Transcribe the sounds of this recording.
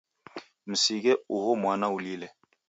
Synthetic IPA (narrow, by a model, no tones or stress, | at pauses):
m̩siɡɛuɦomwanaulilɛ